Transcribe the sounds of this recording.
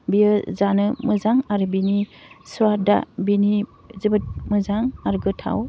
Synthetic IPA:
bijɯzanɯmɯzaŋaɾɯbinisuada̰bini | zɯbɯt̚mɯzaŋaɾɯɡɯtʰa̰w

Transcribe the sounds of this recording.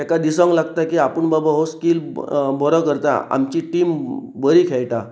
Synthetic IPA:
ekad̪isãŋɡlaɡ̚t̪akiːapəɳbabaɦoskiːlbʱɔɾɔkəɾt̪a̰a̰mt͡ɕiʈiːmbəɾikʰejʈa̰

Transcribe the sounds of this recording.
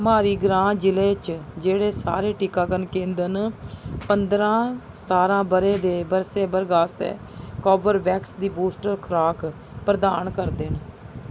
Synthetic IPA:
maːɾiːɡɾãːd͡ʒɪleːt͡ʃd͡ʒeːɽeːsa̰ːɾeːʈikaːkənkẽːnd̪ənpənd̪ɾãːsə̥t̪aːɾãːbəɾeːd̪eːbəɾseːbəɾɡaːst̪ḛː | kɔːbəɾbɛːksd̪iːbuːsʈəɾkʰɾaːk | pɾəd̪aːnkəɾd̪en

